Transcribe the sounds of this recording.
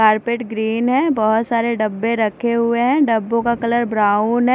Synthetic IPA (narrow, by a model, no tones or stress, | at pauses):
aːɾpeʈɡɾiːnɦɛ̃bɔɦʊt̪saːɾeɖɐbːẽɾɐkʰeɦʊeɦɛ̃ɖɐbːõkakɐləɾbɾaːunɦɛ̃